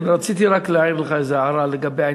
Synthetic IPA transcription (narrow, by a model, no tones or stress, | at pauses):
nɾat͡sit̪iɾaklaiɾleχaezeaɾaleɡabeja